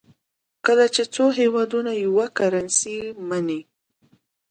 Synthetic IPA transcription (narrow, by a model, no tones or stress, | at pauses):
kəlat͡ʃet͡soɦewɑd̪unajawakaɾansimani